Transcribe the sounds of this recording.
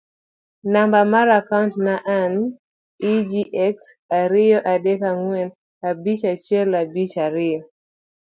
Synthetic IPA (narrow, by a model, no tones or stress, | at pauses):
nambamaɾakauntnaʔan | id͡ʒiʔɛks | aɾiɔʔaɗɛkaŋuɛn | abit͡ʃat͡ʃɛlabit͡ʃaɾiɔ